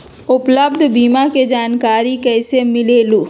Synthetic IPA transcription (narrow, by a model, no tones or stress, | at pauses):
ʊpləbd̪ʱbiːmaked͡ʒaːnkaːɾikɛːsemɪleːluː